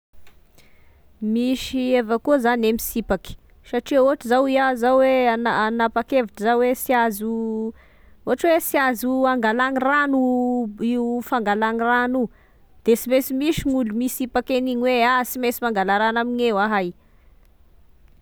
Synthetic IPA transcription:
miʃievakuzanemisipaki̥ | saʈ͡ʂioaʈ͡ʂizawiazawweanaanapakeviʈ͡ʂəzawesjazu | oɦaʈ͡ʂwesjazuaŋɡalaniranuiufaŋɡalaŋiranu | d̪̥esimesimiʃiŋulumisipakeniɲweasimesimaŋɡalaɾanamiɲewaɦaj

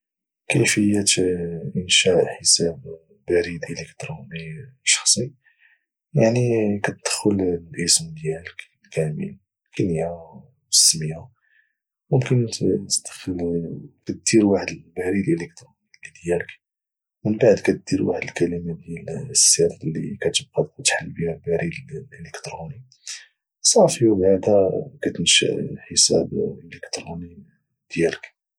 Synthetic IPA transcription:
kəfəjːæt̪ʔənʃæʔħəsæb | bæɾid̪ʔələkt̪ɾuniʃɑ̥xsˤi | jaʕnikæt̪̚d̪̥ə̥xʊllʔəsmd̪jæləklkʰæmə̰l | kæniæ | wəsːmiha | mʊmkənt̪əd̪xəlkæt̪̚d̪̥iɾwaħəd̪əlbæɾilʔələk̚t̪ɾunilid̪jælək | mənbaʕd̪kæt̪̚d̪iɾwaħəd̪əlkæləmad̪jælsːiɾlːikæt̪əb̚qɑd̪t̪ħalːbihælbæɾillʔələkt̪ɾuni | sˤɑfiwbaʕd̪hækæt̪ənʃə̰ħəsæ̰beləkt̪ɾuni | d̪̥jælək

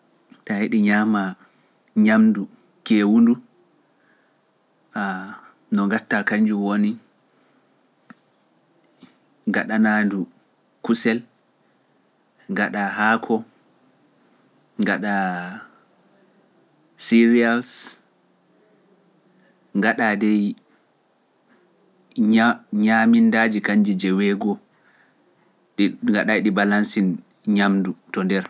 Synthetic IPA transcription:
tahiɗiɲama | ɲamdu | kɛwundu | a | nɔŋɡatːakaɲd͡ʒuwoni | ŋɡaɗanandu | kusɛl | ŋɡaɗaɦaːkʰɔ | ŋɡaɗa | siɾials | ŋɡaɗadɛj | ɲamindad͡ʒikaɲd͡ʒid͡ʒɛwɛɡɔ | ɗŋɡaɗajɗibalansin | ɲamdutɔndɛɾ

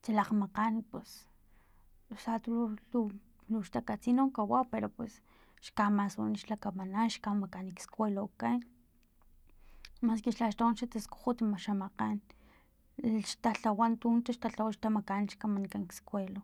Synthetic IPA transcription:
t͡ʃ̪alaqmaqanpwes | sat̪uluu | luʃt̪akat͡sinokawapeɾopwes | ʃkamasṵniʃlakamananʃkamakanikskʷwelokan | maskeʃlaʃt̪onʃat̪asku̥xut̪maʃamaqan | ʃt̪aɬawant̪unt̪aʃt̪aɬawaʃt̪amakanʃkamankaŋkskwelo

